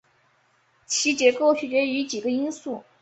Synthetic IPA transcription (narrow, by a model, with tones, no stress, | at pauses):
t͡ɕʰi˧˥t͡ɕjɛ˧˥ko˥˩ʊt͡ɕʰy˨˩ʈ͡ʂɛ˧˥y˧˥t͡ɕi˨˩ɡə˦i˥nsu˥˩